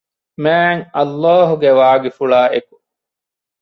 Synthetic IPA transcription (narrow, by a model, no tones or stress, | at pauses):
mæːŋɐlːaːɦuɡeʋaːɡifuɭaːʔeku̥